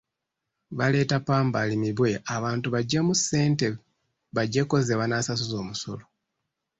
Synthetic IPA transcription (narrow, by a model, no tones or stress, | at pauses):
βale̞ːtapaːmbalimiβwe̞ʔaβaːntuβaɟːemusːe̞ːnte̞ | βaɟːe̞ko̞zeβwanasasuzo̞ːmuso̞̰lo